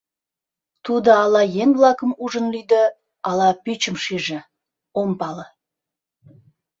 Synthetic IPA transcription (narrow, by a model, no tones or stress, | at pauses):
t̪ʰud̪əɑlˠɑjenvlˠɑkəmuʒənlʲyjd̪ə | ɑlˠɑpʲyt͡ʃɪmʃiʒə | ompɑlˠə